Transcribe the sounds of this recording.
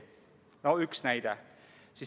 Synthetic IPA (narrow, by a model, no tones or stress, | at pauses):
noyksnæjd̪̥esis